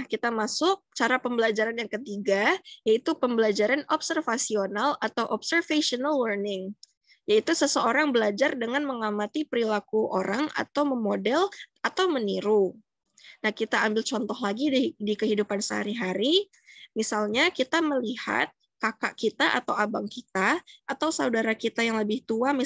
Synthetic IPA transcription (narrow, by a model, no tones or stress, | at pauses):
akit̪amasʊk̚t͡ʃaɾapəmbəlad͡ʒaɾanjaŋkət̪iɡajait̪upəmbəlad͡ʒaɾanɔpsərfasionalat̪awʔɔpsərfeʃionalwərnɪŋ | jait̪usəsəoɾaŋbəlad͡ʒardəŋanməŋamat̪ipəɾilakuʔo̰ɾʔaŋa̰t̪awməmodɛlat̪awməniɾu | nahkit̪aːmbɪlt͡ʃɔnt̪ɔhlaɡidikəɦidupansəɦa̰ɾiɦaɾi | misalɲakit̪aməliha̰t̪̚ | kakaʔkit̪aʔa̰t̪awabaŋkit̪aʔat̪awsaudaɾakit̪ajaŋləbɪht̪uami